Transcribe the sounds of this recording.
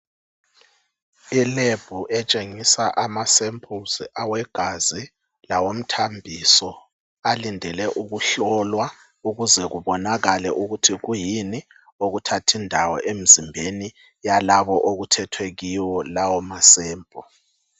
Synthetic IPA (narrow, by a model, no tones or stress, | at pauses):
ileb̥ʱuʔɛt͡ʃʼeŋisaʔamasempʰʼuziʔawɛɡ̥ʱazi | lawom̩tʰambʱisɔ | alindʱɛlɛʔuɣuɬɔlwa | uɣuzɛɣuβɔnaɣalɛʔuɣutʰiɣujini | oɣutʰatʰindʱawɔ̰ʔem̩zimbʱeni | jalaβɔʔoɣutʰɛtʰweɣiwɔlawɔmasɛːmpʼɔ